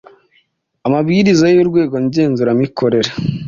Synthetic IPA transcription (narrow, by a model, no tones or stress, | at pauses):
amabɡiːɾizajoɾɡwe̞ːɡo̞nɟe̞ːnzuɾamikʰo̞ɾe̞ɾa